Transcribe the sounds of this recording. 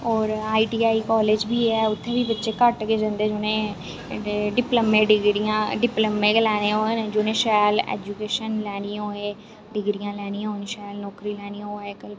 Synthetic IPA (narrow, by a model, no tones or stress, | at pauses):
ɔːɾaːiːʈiːaːiːkɔːleːd͡ʒbiːɛːʊt̪ʰːẽːbiːbɪtːʃeːkəʈkeːd͡ʒə̃nd̪eːd͡ʒoːnẽː | ɖɪpləmẽːɖɪɡɾijãːɖɪpləmẽːklɛːnẽːond͡ʒoːnẽːʃɛːlɛ̰ːd͡ʒukeːʃənlɛːnĩːoːẽː | ɖɪɡɾijãːlɛːniːãonʃɛːlnɔːkɾiːlɛːñiːãoeːkəl